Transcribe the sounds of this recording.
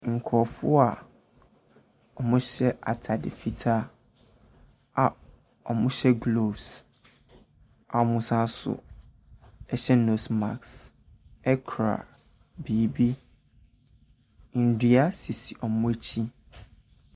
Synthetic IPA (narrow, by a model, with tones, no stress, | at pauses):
ŋ̩˨kʰɔ˨fʊ˦a˨ | ɔ˨mʊ̃˦ɕɛ˦ʔa˨tʰa˨dɪ̰˨fi˦tʰa˦ | a˨ | ɔ˨mʊ̃˦ɕɛ˦ɡlo˨bs | a˨ɔ˨mʊ̃˨sã˦sʊ̰˨ | ɛ˨ɕɛ˦no˨sma̰˨ks | ɛ˦kʰɾa̰˨ | biː˨bi˦˨ | n̩˨di˨a˦si˨si˨ʔɔ˨mʊ̃˦æ˦t͡ɕʰi˦